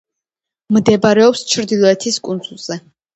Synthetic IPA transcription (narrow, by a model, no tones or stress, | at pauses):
md̪ɛbaɾɛɔpst͡ʃʰɾd̪ilˠɔɛt̪ʰiskʼund̪z̥ulˠz̥ɛ